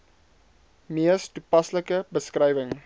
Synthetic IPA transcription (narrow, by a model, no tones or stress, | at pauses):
miəstupɐsləkəbəskrɐjvəŋ